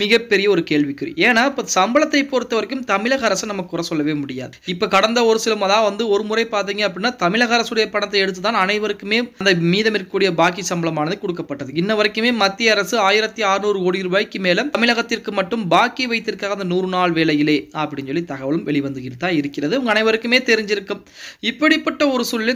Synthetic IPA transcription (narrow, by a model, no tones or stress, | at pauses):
mɪɣɐpːɛɾɪjɐɔɾɯkeːɭʋɪkːɯɾḭeːnaːɪpːoːsɐmbɐɭɐt̪ːɐɪpːɔɾɯt̪ːɐʋɐɾɐkːɯmt̪ɐmɪlɐɣɐɐɾɐsɯnɐmːɐkːɯʊɾrɐsɔlːɐʋeːmʊɽɪja̰ːðɯɪpːoːkɐɽɐnd̪ɐɔɾɯsɪlɐmɐðaːɐʋɐnd̪ɯɔɾɯmʊrɐɪpaːɾt̪̬iːŋɡɐɐp̬ːɐɽɪnːaːt̪ɐmɪɭɐɣɐɾɐsɯɽɐjɐpɐɳɐt̪ːɐɪɛɽɯt̪ːɯt̪ːaːnɐnɐɪʋɐɾɯkːɯmeːɐnd̪ɐmiːðɐmɪrkuːɽɪjɐbaːkisɐmbɐɭlɐmaːnɐðɯkɔɽɯkːɐpːɐʈːɐðɯɪnːɐʋɐɾɐkːɯmeːmɐt̪ːɪjɐɐɾɐsɯaːjɪɾɐt̪ːiaːɾɯnuːɾɯkoːɽiɾɯʋaːjkːɯmeːlɐmmɪlɐɣɐt̪ːɪrkɯmːɐʈːɯmbaːkːiʋɐɪt̪ːɪrkaːɣɐnd̪ɐnuːrɯnaːɭʋeːlɐjɪleːɐpːɐɽɪnsɔlːit̪ɐɣɐʋɐɭɯmʋɛɭɪʋɐnd̪ɯɣɪrɐt̪ːaːɪɾɯkːɪrɐðɯɐŋɡɐnɐɪʋɐɾɯkːɯmeːt̪ɛɾɪɲd͡ʒɪɾɯkːɯm | ɪpːɐɽɪpːɐʈːɐɔɾɯsuːlːɪ